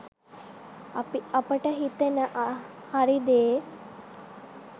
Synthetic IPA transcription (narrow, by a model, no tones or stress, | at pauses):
ɐpiɐpəʈəɦit̪enəʔ | haɾid̪eː